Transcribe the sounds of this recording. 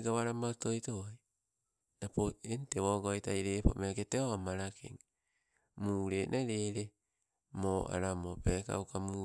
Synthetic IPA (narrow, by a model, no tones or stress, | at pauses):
ɡaβaɾamaotojtoj | napoentewoɡojtajɾepomeaketeoamaɾakʰḛŋ | muːɾenʔaɾeɾe | moʔa̰ɾamopeka̰wkamu